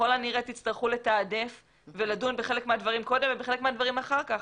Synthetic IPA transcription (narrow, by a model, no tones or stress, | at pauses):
olaniʁet̪it͡st̪aʁχule̞t̪aːdef | veladunbeχe̞lekmead̪vaʁimko̞d̪emvebeχelekmead̪vaʁimaχaʁkaχ